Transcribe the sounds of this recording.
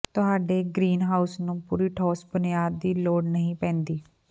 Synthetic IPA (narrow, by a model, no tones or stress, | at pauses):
t̪ʊɦaːɖeːɡɾiːnɦaːʊsnũːpṵːɾiːʈʰɔːsbənɪjaːd̪ːiːloːɽnəɦĩːpɛ̃ːnd̪iː